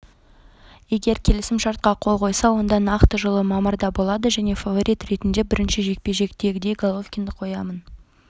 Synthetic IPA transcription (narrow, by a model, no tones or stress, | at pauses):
e̞ɡʲe̞ɾkʲʰe̞lɪsɪmʃɑɾt̪̚qɑqʰo̞lˠqʰo̞jsɑwo̞nd̪ɑnɑqt̪əʒəlˠəmɑməɾd̪ɑbo̞lˠɑd̪əʒæne̞favo̞ɾʔijt̪re̞t̪ɪnd̪e̞bɪɾɪnʃɪʒe̞k̚pe̞ʒe̞kt̪e̞ɡʲɪd̪e̞jɡolˠofkʲind̪ɪqʰːo̞jɑmən